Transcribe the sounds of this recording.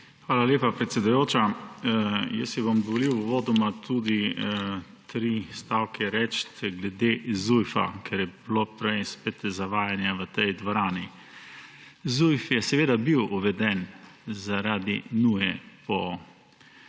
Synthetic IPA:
xʋaːlalʲeːpapɾɛt̪sʲed̪ujoːt͡ʃa | jəsjɛbomd̪ɔʋɔliwʋoːd̪ɔmat̪ʰud̪i | t̪ɾist̪awkɛɾɛt͡ʃt̪ɡlɛd̪ezujfa̰kʰɛɾjɛblopɾɛjspet̪zaʋaːjanjaʋət̪ɛjd̪ʋɔɾaːni | zujfjɛsɛʋeːd̪abiwuʋɛd̪ɛnzaɾaːd̪inuːjɛpɔ

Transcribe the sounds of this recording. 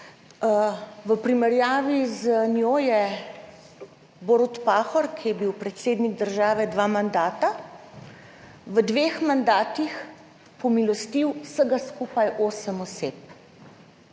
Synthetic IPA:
ʋəpɾimɛɾjaːʋizənjoːjɛ | boɾɔt̪paːxɔɾkʰijɛbiwpɾɛt̪seːd̪niɡ̚d̪əɾʒaːʋɛd̪ʋaːmand̪aːt̪a | ʋəd̪ʋeːxmand̪aːt̪ix | pɔmilɔst̪iwsəɡaskupajʔoːsəmɔsep̚

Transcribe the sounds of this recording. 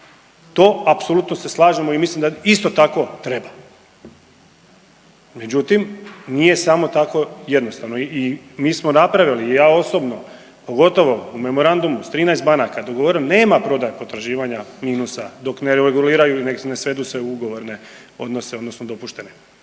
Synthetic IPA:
t̪o̞ːapsolut̪nose̞slˠaːʒemoimislimd̪aist̪o̞t̪ako̞t̪ɾe̞ba | me̞d͡ʑut̪imnije̞samo̞t̪ako̞je̞d̪nost̪aʋnoimiːsmonapɾaʋjalijaːo̞sobno̞ | po̞ɡo̞t̪o̞ʋo̞ume̞mo̞ɾand̪umust̪ɾiːnaɛjst̪̚banakad̪oɡoʋoɾeneːmapɾo̞d̪ajepo̞t̪ɾaʒiːʋaɲamiːnusad̪o̞kneɾeeɡuliːɾajuinene̞sʋe̞d̪usʋeuɡo̞ʋo̞ɾne̞ | o̞̰d̪nose̞od̪no̞snod̪o̞puʃt̪e̞ne

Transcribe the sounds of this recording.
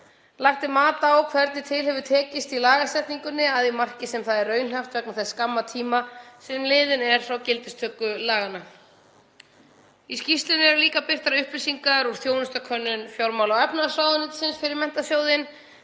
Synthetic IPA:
laxt̪ɪmaːt̪awkʰvɛɾt̪nɪt̪ʰɪlhɛvʏt̪ʰɛːcɪst̪ilaːɣasɛht̪niŋkʏnːɪaðimar̥cɪsɛmθaðɛrœːɥnɦaft̪vɛknaθɛsːkamːat̪ʰiːmasɛmlɪːðɪnɛɾ̥θawcɪlt̪ɪst̪ʰœːkːʏlaːɣanːa | iscist̪lɪnɪɛɾliːkapɪr̥t̪aɾʏhplɪsiŋkaɾuɾ̥θjownʏst̪akʰœnːʏnfjawlmawlawɛpnasɾaːwðɪnɪt̪sɪnsfɪɾɪɾmɛn̥t̪asjoːwðɪn

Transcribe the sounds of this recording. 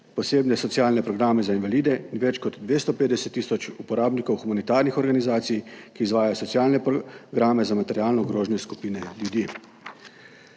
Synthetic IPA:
pɔseːbnɛsɔtsijaːlnɛpɾɔɡɾaːmɛzainʋaliːd̪ɛinʋɛt͡ʃkɔd̪d̪ʋest̪ɔpeːd̪d̪ɛsɛt̪ːisɔt͡ʃupɔɾaːbnikɔwxumanit̪aːɾnixɔɾɡanizaːt̪sijkiːzʋaːjajsɔsjaːlnɛpɡɾaːmɛzamat̪ɛɾjaːlnɔɡɾoːʒnɛsku̥piːnɛljud̪ji

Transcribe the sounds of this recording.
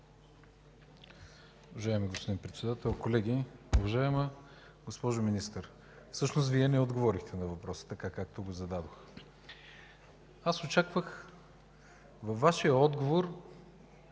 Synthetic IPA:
ʊvɐʒaɛmiɡospod̪inpɾɛt̪sɛd̪at̪ɛlˠkolɛɡ̟iʊvɐʒaɛmə | ɡospɔʒominist̪əɾ | fsɤʃnost̪viɛnɛod̪ɡovɔɾixt̪ʰɛnɐvɐpɾɔsə̥t̪ɐkakak̚t̪oɡozɐd̪ad̪ox | asot͡ʃakvəx | vɐfvːaʃijəɔd̪ɡovoɾ

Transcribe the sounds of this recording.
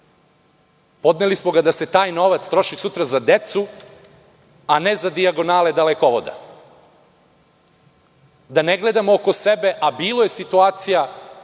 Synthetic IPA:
po̞d̪nelismoɡad̪ase̞t̪aːjno̞ʋat̪st̪ɾo̞ʃisut̪ɾazad̪e̞t̪su | anezad̪iaɡo̞naːled̪alekoʋod̪a̰ | d̪aneɡled̪amooko̞se̞be̞ʔabiːloje̞sit̪uaːt̪sija

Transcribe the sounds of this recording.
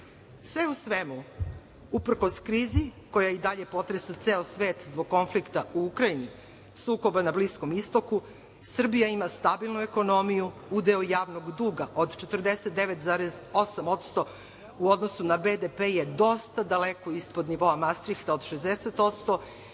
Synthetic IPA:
sʋe̞usʋemu | upr̩ko̞skɾiːziko̞jaid̪aʎe̞po̞t̪ɾesat̪seːosʋeːt̪zboɡ̚ko̞nflikt̪auukɾaini | suːko̞banablisko̞mist̪o̞ku | sr̩bijaimast̪abilˠnueko̞no̞mijuud̪eojaːʋnoɡd̪uːɡaʔod̪t͡ʃe̞t̪r̩d̪eset̪̚d̪eʋet̪zaːɾezo̞samo̞t̪st̪o̞ | uo̞d̪nosunabed̪epejed̪o̞st̪ad̪aleko̞ispo̞d̪niʋo̞amast̪ɾixt̪ao̞d̪ʃezd̪eset̪o̞t̪st̪o̞

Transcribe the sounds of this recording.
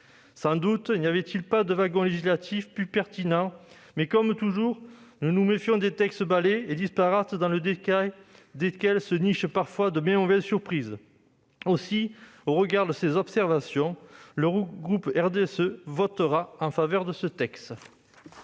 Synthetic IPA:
sɑ̃d̪ut̪inijavɛt̪ilpad̪əvaɡɔ̃leʒislat̪ʰifpypɛʁt̪inɑ̃ | mɛkɔmt̪uʒuʁnunumefjɔ̃d̪et̪ɛkst̪baleed̪ispaʁat̪d̪ɑ̃ləd̪ekajd̪ekɛlsəniʃpaʁfwad̪əmɛ̃mɔvɛzsyʁpχiz | osioʁəɡaʁd̪əsezɔpsɛʁvasjɔ̃ləɡʁupɛʁd̪eɛsøvɔt̪əʁaɑ̃favœʁd̪əsət̪ɛkst̪

